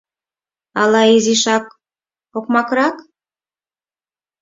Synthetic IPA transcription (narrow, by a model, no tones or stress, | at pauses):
ɑlɑiziʃɑk̚ | okmɑkɾɑk